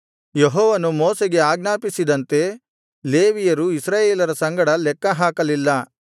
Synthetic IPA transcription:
jeɦɔːʋɐnumɔːseɡe̞aːɡnaːpisid̪ɐnt̪e̞ | leːʋijɐɾuisɾaːjeːlɐɾɐsɐŋɡɐɽɐlɛkːɐɦaːkɐlilːɐ

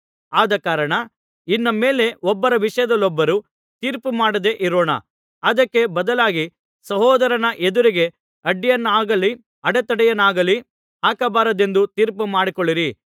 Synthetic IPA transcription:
aːd̪ɐkaːɾɐɳɐ | inːɐme̞ːle̞ɔbːɐɾɐʋiʂɐjɐd̪ɐlːɔbːɐɾu | t̪iːɾpumaːɽɐd̪e̞ʔiɾoːɳɐ̰ | ɐd̪ɐkːe̞bɐd̪ɐlaːɡi | sɐɦɔːd̪ɐɾɐnɐʔed̪uɾiɡe̞ | ɐɖːijɐnːaːɡɐlːi | ɐɽɛt̪ɐɽɛjɐnaːɡɐlːi | aːkɐbaːɾɐd̪e̞nd̪ut̪iːɾpumaːɽikoɭːiɾi

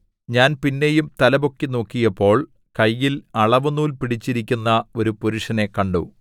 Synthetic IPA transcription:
ɲaːnpinːe̞jumt̪ɐlɐbo̞kːino̞ːkːijɐpːo̞ːɭ | kɐjːilɐɭɐʋunuːlpiɽit͡ɕːiɾikʲːunːɐo̞ɾupuɾuʂɐne̞kɐɳɖu

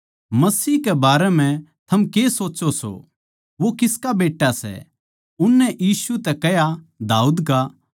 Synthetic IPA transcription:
mɐsiːkɛbaːɾɛmɛ̃t̪ʰɐmkeːsoːtːoso̰ | ʋokɪskabeːʈːasɛ̰ | ʊnːɛʔjiːsut̪ɛkɛɦjad̪aːuːd̪ka

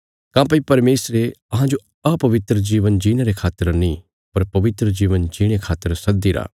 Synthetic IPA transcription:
kãːp̬ɐipɐɾmeːsɾeɐɦãd͡ʒo | ɐpɐʋɪt̪ɾəd͡ʒiːʋənd͡ʒiːɽ̃eɾekʰaːt̪ːəɾnĩː | pɐɾpɐʋɪt̪ɾəd͡ʒiːʋənd͡ʒiːɽ̃ekʰaːt̪ːəɾsɐd̪ːiɾa̰ː

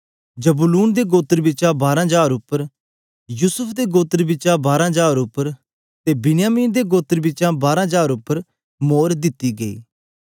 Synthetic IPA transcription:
d͡ʒɐbʊluːnd̪eɡoːt̪əɾbɪt͡ʃãbaːɾãɦd͡ʒaːɾʊpːəɾ | juːsʊpʰd̪eɡoːt̪əɾbɪt͡ʃãbaːɾãɦd͡ʒaːɾʊpːəɾ | t̪eːbɪnɪjaːmiːnd̪eɡoːt̪əɾbɪt͡ʃʃãbaːɾãːɦd͡ʒaːɾʊpːəɾ | moːɾd̪ɪt̪ːiɡeḭː

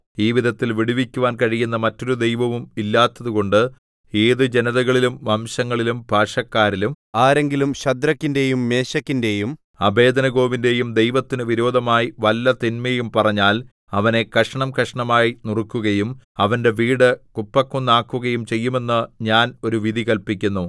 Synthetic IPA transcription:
iːʋid̪ʱɐt̪ːilʋiɽiʋikʲːuʋaːnkɐɻijunːɐmɐtːo̞ɾud̪e̞jʋɐʋumilːaːt̪ːɐðuko̞ɳɖɨ | eːðɨd͡ʑenɐðɐɣɐɭilumʋɐmɕɐŋːɐɭilumbʱaːʂɐkːaːɾilum | aːɾe̞ŋɡilumɕɐd̪ɾɐkːinde̞jumːe̞ːɕɐkːinde̞jum | ɐbʱe̞ːd̪ɐnɐɣo̞ːʋinde̞jumd̪e̞jʋɐt̪ːinɨʋiɾo̞ːd̪ʱɐmaːjiʋɐlːɐt̪inmejumpɐrɐɲːaːl | ɐʋɐne̞kɐʂɐɳɐmkɐʂɐɳɐmaːjinurkːuɣɐjumɐʋɐnde̞ʋiːɽɨkupːɐkːunːaːkːuɣɐjumt͡ɕe̞jːume̞nːɨɲaːno̞ɾuʋid̪ʱikɐlpikʲːunːu

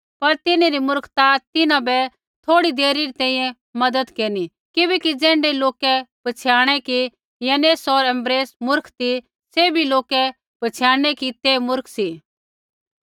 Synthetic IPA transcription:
pɐɾt̪ɪneɾimʊɾkʰt̪at̪ɪnãbɛ | t̪ʰoːɽid̪eːɾiɾit̪ɛ̃ːĩjɛ̃ | mɐd̪əd̪keːni | kɪbɛkid͡zɛ̃ːɳɖeloːkɛb̥ɐt͡sʰjaːɽ̃ɛki | jɐneːsɔɾɛ̃mbɾeːsmʊɾkʰt̪i | sebʱiloːkɛ | b̥ɐt͡sʰjaːɽ̃ɛkit̪emʊɾkʰsi

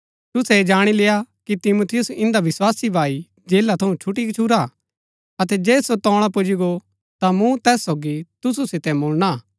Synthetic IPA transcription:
t̪ʊsɛd͡ʒaːɽ̃ileːjakit̪ɪmut̪ʰɪjʊsɪ̃nd̪aʋɪswaːsibʱaːi | d͡ʒeːlat̪ʰɐũt͡ʃʰʊʈ̬ikt͡ʃʰuɾa | ɐt̪ɛd͡ʒɛːsot̪ɔːɽ̃apʊd͡ʒiɡo | t̪amũt̪ɛːsːoːɡit̪ʊsusɪt̪ɛmoːlna

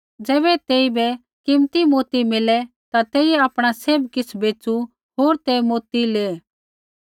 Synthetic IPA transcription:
d͡zɛːbɛt̪eːibɛ | kɪmt̪imoːt̪imɪlɛ | t̪at̪eːiɛaːpɽ̃aseːbkɪsbeːt͡ʃu | ɦoːɾt̪emoːt̪ileː

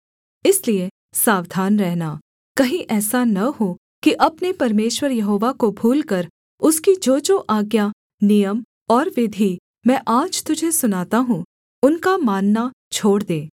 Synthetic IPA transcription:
ɪslie | saːʋd̪ʱaːnɾɛɦna | kɐɦĩʔɛːsanɐɦo | kiʔɐpnepɐɾmeːʃwəɾjɐɦoːʋakobʱuːlkɐɾ | ʊskid͡ʒoːd͡ʒoːʔaːɡja | nijəm | ɔːɾʋɪd̪ʱi | mɛ̃ːʔaːd͡ʒt̪ʊd͡ʒʱesʊnaːt̪aɦũ | ʊnkamaːnːa | t͡ʃʰoːɽd̪eː

